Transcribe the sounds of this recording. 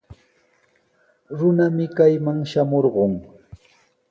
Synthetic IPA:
ɾʊnamɪkajmaŋʃamoɾɢoŋ

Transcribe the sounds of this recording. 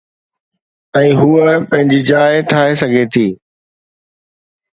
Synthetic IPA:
ɛ̃ːɦuːəpɐ̃ɦɪ̃ɲd͡ʑiːd͡ʑaːɪʈʰaːɦesɐɡʱet̪ʰiː

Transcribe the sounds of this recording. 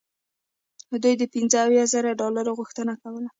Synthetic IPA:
hd̪ujd̪əpɪnzəawjɑzaɾaɖɑlaɾoɣʊxt̪ənakawəla

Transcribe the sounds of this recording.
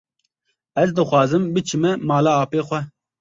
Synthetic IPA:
ɛzd̪ɨxʷɑːzɨmbɨt͡ʃʰɨmɛmɑːlaːɑːpeːxʷɛ

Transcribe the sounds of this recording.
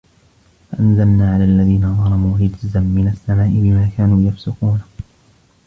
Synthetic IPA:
faʔanzalnaːʕalaːʔalːaðiːnaðˤɑlɑmuːɾɪd͡ʒzanmɪnasːamaːʔɪbɪmaːkaːnuːjafsʊquːn

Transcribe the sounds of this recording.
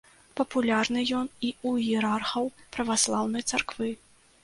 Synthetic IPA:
pɐpulʲarnɨjɔniujɛɾarxɐwpɾɐvaslˠawnɐjt̪sarkvɨ

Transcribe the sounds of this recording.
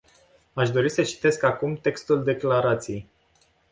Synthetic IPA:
aʃd̪o̞ɾisət͡ʃi̥t̪e̞skakumt̪e̞kst̪uld̪e̞klaɾat̪sijej

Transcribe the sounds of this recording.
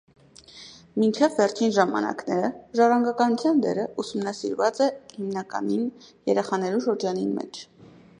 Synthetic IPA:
mint͡ʃʰɛvːɛɾt͡ʃʰinʒɑmɑ̰nɑ̰knɛɾəʒɑrɑŋɡɑkɑnut͡sʰjɑnd̪ɛ̰ɾəusumnɑsiɾvɑt͡sɛhimnɑkɑ̰ninjɛɾɛχɑnɛluʃəɾd͡ʒɑninmɛ̰t͡ʃʰ

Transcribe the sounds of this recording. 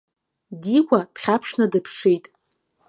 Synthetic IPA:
dikʷʼad̥χʲapʰʂnadɨpʰʂejtʼ

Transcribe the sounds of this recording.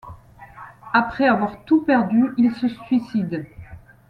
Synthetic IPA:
apχɛavwaʁt̪upɛʁd̪yilsəsɥisid̪

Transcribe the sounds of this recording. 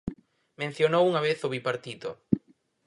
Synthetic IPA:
mẽn̟θjonowuŋɐβeθoβipaɾt̪it̪o̰

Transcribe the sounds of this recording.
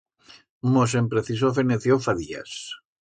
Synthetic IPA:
mos̬empɾeθisofeneθjofaðia̰s

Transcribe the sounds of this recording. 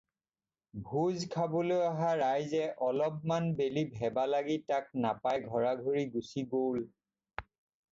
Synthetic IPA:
bʱuzkʰabɔlojaɦaɹajzɛʔɔlɔp̚manbelibʱɛbalaɡitak̚napajɡʱɔɹaɡʱoɹiɡusiɡowl

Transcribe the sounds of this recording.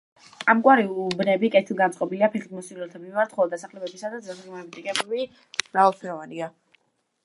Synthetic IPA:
amɡʼwaɾiubnɛbikʼɛt̪ʰilˠɡant̪sʼqʼɔbiliapʰɛχimɔsilɛlt̪ʰamimaɾt̪ʰχɔlɔd̪asaχlɛbɛbisad̪at̪zazɾimaɛbit̪ʼikʼɛbɛbi | m̥ɾavalˠpʰɛɾɔvania

